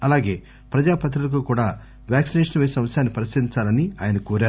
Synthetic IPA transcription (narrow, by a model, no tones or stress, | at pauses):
ɐlaːɡe̞ː | pɾɐd͡ʒaːpɐt̪̬ɾulɐk̬uːkuːɽaː | ʋjaːksineːʂɐnʋeːsɐmɐsjaːnːipɐɾisɐɾiɲt͡ʃaːlɐnia̰ːjɐnɐkoːɾaːɾu